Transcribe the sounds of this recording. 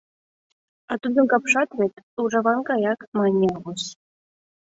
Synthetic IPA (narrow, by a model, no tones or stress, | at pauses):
ɑt̪ud̪ɤ̆nkɑpʂɑt̪βʲet̪ʲuʐɑβɑnkɑjɑkmɑnʲːeɑβuɕ